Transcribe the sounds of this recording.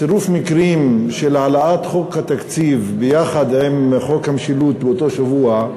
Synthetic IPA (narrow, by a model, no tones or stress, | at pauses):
seɾufmikɾimʃelʕalaʔat̪χokhat̪akt͡sivbejaχad̪hemχo̞khamʃilut̪̚beot̪o̞ʃavua